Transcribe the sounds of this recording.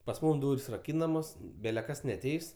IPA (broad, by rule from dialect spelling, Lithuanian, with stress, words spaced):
pɐs ˈmuːm ˈduːrʲsʲ rɐˈkʲiːnɐmoːs bʲɛlʲɛ ˈkɐs nʲɛɐˈtʲɛɪs